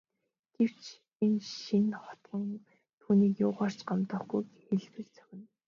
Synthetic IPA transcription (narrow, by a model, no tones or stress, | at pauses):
ɡ̥ew̥t͡ɕ | enʃʃinχɔ̥t̪ɢə̆ŋ | t̪ʰuːniːkjʊːʁaːr̥t͡ɕɢamt̪ə̆χɡujxeɮpɘ̆kt͡sœ̥xʲɪ̆n